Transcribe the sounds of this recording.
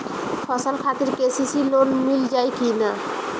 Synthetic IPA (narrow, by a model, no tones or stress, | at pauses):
fʰɔsalkʰat̪eɾkesisilonmild͡ʑaekina